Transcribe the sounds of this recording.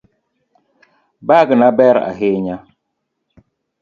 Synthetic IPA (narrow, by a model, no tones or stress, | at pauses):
baɡnabɛɾa̰ɦeɲa